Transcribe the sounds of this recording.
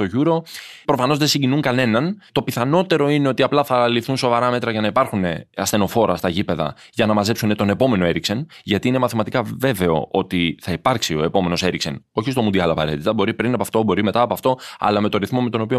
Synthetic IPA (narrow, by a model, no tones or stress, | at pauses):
t̪oʝuɾo̞pɾo̞fɐno̞zðe̞siɲɟinuŋkɐne̞nɐnt̪o̞piθɐno̞t̪e̞ɾo̞ine̞o̞t̪iɐplɐθɐlifθunso̞vɐɾɐme̞t̪ɾɐʝɐnɐipɐɾxune̞ɐst̪eno̞fo̞ɾɐst̪ɐʝipe̞ðɐ̰ | ʝɐnɐmɐzpsune̞t̪o̞ne̞po̞me̞no̞e̞ɾikse̞nʝɐt̪iine̞mɐθimɐt̪ikɐve̞ve̞o̞̰ʔo̞t̪iθɐipɐɾksio̞e̞po̞me̞no̞se̞ɾikse̞no̞çist̪o̞mund̪iɐlɐpɐ̰ɾe̞t̪it̪ɐbo̞ɾipɾinɐpɐft̪o̞bo̞ɾime̞t̪ɐːpɐft̪o̞ɐ̰lɐme̞t̪oɾiθmo̞me̞t̪o̞nopio